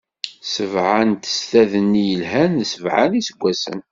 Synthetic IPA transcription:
səvʕant̪ə̥st̪æðənːijəlɦænðsəvʕa̰nisəɡʷːæsə̰n

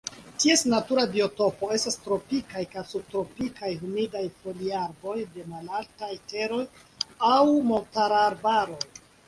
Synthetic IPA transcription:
tie̞snatuɾabio̞to̞po̞e̞stastɾo̞pikajkajsub̚tɾo̞pikajɦumidajfo̞liaɾbo̞jde̞malaltajte̞ɾo̞j | awmo̞ltaɾaɾbaɾo̞j

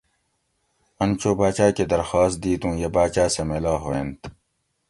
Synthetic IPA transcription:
ɐnt͡ɕoːbaːt͡ɕaːked̪ɐɾxaːst̪̚d̪iːt̪ũːjɐbaːt͡ɕaːsemelaːɦoːent̪

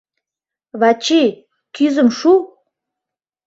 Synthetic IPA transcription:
βɑt͡ɕi | kyzə̆mʃu

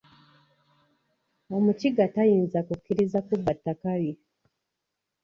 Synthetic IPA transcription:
omut͡ʃiɡatajiːnzakukːiɾizakubatːakaβi

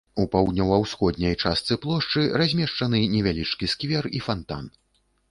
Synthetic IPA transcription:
upawd̪̚ʲnʲɔwɐwsxɔd̪nʲɐjt͡ʂast̪sɨplˠɔʂt͡ʂɨrazʲmʲɛʂt͡ʂɐn̪ɨnʲɛvʲalʲit͡ʂkʲiskvʲɛrifant̪a̰n

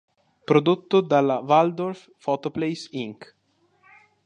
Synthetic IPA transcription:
pɾod̪ot̪ːod̪alavald̪orfːɔt̪oplejsiŋk

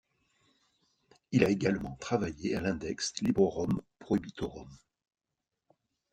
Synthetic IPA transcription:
ilaeɡalmɑ̰̃t̪χavajealɛ̃d̪ɛkslibʁəʁɔmpχɔybit̪oʁɔm

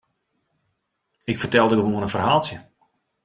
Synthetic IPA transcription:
ɪkfərtɛlˠdədəʋoənənfərhaːlˠtjə

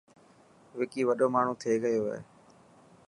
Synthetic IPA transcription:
ʋɪkiːʋəɗoːmaːɳ̤ũːt̪ʰeːɡəjoːɦḛː

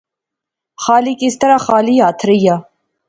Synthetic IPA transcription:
χaːlikʼist̪ɐɾaχaːlijat̪ʰɾija

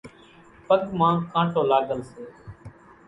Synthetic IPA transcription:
pəɡmãːkãːʈoːlaːɡəlseː

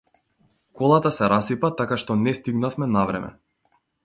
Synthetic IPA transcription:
kɔlˠat̪asɛɾasipat̪akaʃt̪ɔnɛst̪iɡnafmɛnavɾɛ̰mɛ̰

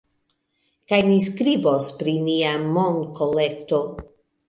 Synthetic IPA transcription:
kajniskɾibospɾiniamonkole̞kto̞

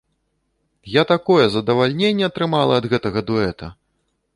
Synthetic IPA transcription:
jat̪akɔjɛzɐd̪ɐvalʲnʲenʲːɛɐt̪ɾɨmalˠɐːd̪ɣɛt̪ɐɣɐd̪uɛt̪ɐ̰

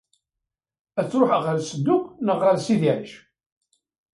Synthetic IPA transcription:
æt͡sːɾoħʁəɾsəd̪ːʊqnəʁɾəɾsiðiɾəʃ

